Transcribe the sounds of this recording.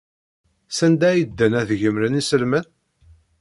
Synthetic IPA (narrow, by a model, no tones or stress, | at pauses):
sænd̪æjid̪ːənæðʝəmɾənisəlmən